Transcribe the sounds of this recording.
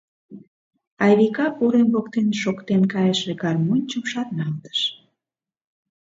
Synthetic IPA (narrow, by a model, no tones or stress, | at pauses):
ɑjβikɑpuɾemβokt̪enʃokt̪enkɑjəʃekɑrmonʲt͡ɕumʃɑt̪nɑlt̪ə̥ʃ